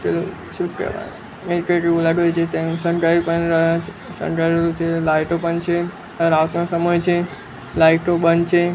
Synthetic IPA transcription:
t̪elu | ʃuk̚kə̰ʋa̰n | meɖiʈɾeʈiulaʈɦojt͡ʃʰet̪ẽsə̃ɳʈɾaipənɾəɦãt͡ʃʰesə̰̃ɳʈɾajɾut͡ʃʰelajʈopənt͡ʃʰe | əɾat̪nosəməjt͡ʃʰe | lajʈobənt͡ʃʰe

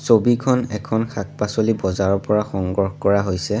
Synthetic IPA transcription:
sobikʰɔnɛkʰɔnxʰak̚pasolibɔzaɹɔpɔɹaxɔŋɡɔɹxɔkɔɹaɦojsɛ

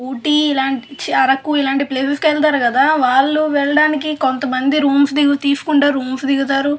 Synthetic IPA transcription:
uːʈiilaːɳit͡ʃiɐɾɐkːuilaːɳʈipleːseskʋɛɭt̪̬aːɾukɐd̪aːʋaːɭːuʋɛɭːɐɽaːnikikont̪ɐmɐnd̪iɾuːmsd̪iɡut̪iːsu̥kuɳɖaːɾuːmsd̪iɡut̪aːɾu

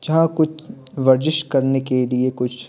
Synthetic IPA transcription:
d͡ʒɐɦãkʊt͡ʃʰ | ʋɐɾd͡ʒɪʃkɐɾnekeliekʊt͡ʃʰ

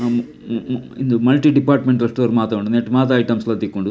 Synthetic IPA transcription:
ind̪umɐlʈiɖipaːɾʈmeɳʈɐʂʈːuɐɾumaːt̪aːɡoɳɖuneʈːmaːt̪̬ɐjʈɐmsɐlɐt̪ikːoɳɖu

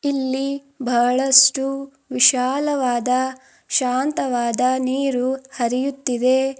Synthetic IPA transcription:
ilːi | bʱɐɭɐsʈu | ʋiʃaːlɐʋaːd̪ɐ | ʃaːnt̪ɐʋaːd̪ɐniːɾuhɐɾijut̪ːid̪e

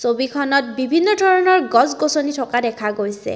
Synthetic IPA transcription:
sobikʰɔnɔt̚bibʱinːɔdʱɔɹɔnɔɹɡɔzɡosonitʰɔkadɛkʰaɡojsɛ̰

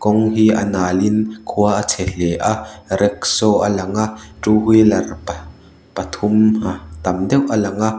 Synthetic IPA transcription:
kɔŋɦiːʔɐ̰naːlɪnkʰuɐʔɐt͡sʰɛɬɛʔaʔrɛk̚sɔʔɐlɐŋaʔʈ͡ʂuːɦujlɐrp | pɐt̪ʰʊmat̪ɐmd̪ɛwʔɐlɐŋaʔ

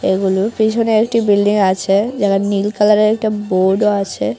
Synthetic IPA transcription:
eɡulopit͡ɕʰoneekʈibilɖiŋat͡ɕʰed͡ʑaɡanilkalaɾeek̚ʈaboɖoat͡ɕʰe

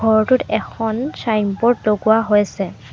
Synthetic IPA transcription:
ɡʱɔɹɔtʊtɛxʰɔnsajnpɔɹtloɡuaɦojasɛ

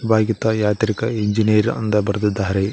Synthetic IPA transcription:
baːɡit̪ɐjaːt̪ɾikɐiɲd͡ʒineɾɐ̰nd̪ɐbɐɾɐd̪id̪ːaːɐɾe

